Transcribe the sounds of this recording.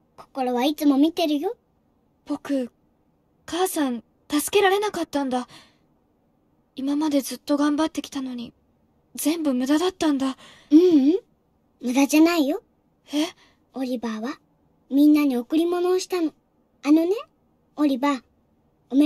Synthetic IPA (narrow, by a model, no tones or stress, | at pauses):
ko̞̥ko̞ɾo̞βait͡sɨmo̞mʲit̪e̞ɾɯ̟jo̞ | b̥o̞kɯ̟ | kaːsãn | t̪asɨ̥ke̞ɾaɾe̞nakat̪ːãnd̪a | imamad̪e̞zɨt̪ːo̞ɡãmbat̪ːe̞kʲi̥t̪ano̞ɲ̟i | zẽ̞mbɯ̟mɯ̟d̪ad̪at̪ːãnd̪a | ɯ̟̃ | mɯ̟d̪ad͡ʑanaijo̞ | he̞ | o̞ɾʲibaːβa | mʲĩnːaɲ̟io̞kɯ̟ɾʲimo̞no̞ːɕi̥t̪ano̞ | ano̞ne̞ | o̞ɾʲiba | om